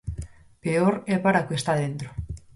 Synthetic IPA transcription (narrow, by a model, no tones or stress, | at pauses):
peoɾɛpaɾakest̪aðent̪ɾo